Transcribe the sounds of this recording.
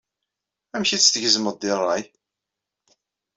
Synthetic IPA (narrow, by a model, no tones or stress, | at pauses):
æmçit͡sːt̪əʝəzməd̪ɪrˤːɑj